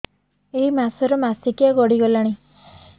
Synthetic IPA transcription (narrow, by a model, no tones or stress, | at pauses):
eɦimasɔɾɔmasikijaɡɔɽiɡɔlaɽ̃i